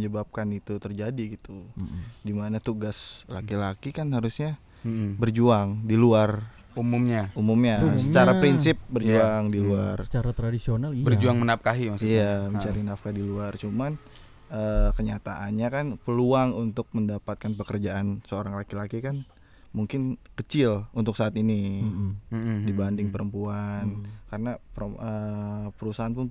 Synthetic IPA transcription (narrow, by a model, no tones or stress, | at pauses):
ɲəbap̚kanit̪ut̪ərd͡ʒadiɡit̪udimanat̪uɡasla̰kilakikanɦaɾusɲa | bərd͡ʒuaŋdiluar | umumɲaumumɲasət͡ʃaɾapɾinsɪp̚bərd͡ʒuaŋdiluarsət͡ʃaɾat̪ɾadisionalbərd͡ʒuaŋmənaf̚kaɦimasijaməɲt͡ʃaɾinafkadiluart͡ʃuman | əkəɲat̪a̰ʔanɲakanpəluaŋunt̪ʊk̚məndapat̪̚kanpəkərd͡ʒaʔansəoɾaŋlakilakikan | muŋkɪnkət͡ʃɪlunt̪ʊksaːt̪ini | dibandɪŋpəɾəmpuankaɾənapəpəɾusaɦanpʊn